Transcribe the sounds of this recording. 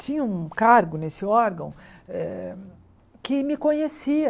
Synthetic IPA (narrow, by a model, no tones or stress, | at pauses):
t͡ʃĩɲɐũkaɾɡʊnesɪɔɾɡɐ̰̃w̃ɛ | kɪmɪkõɲesiɐ